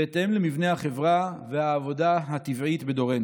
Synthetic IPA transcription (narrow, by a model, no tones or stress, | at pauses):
et̪emlemivne̞haχe̞vʁavehaːvo̞daɦat̪ivʕit̪be̞d̪o̞ʁen